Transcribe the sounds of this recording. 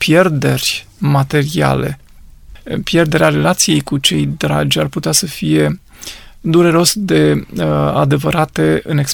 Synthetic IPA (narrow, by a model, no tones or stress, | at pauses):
pje̞rd̪e̞rʲ | mat̪e̞ɾia̰le̞̰ | pje̞rd̪e̞ɾeaɾe̞lat̪sije̞jkut͡ʃe̞jd̪ɾa̰d͡ʒʲarput̪easəfije̞ | d̪uɾe̞ɾo̞sd̪e̞ | a̰d̪e̞vəɾat̪e̞ɨne̞ks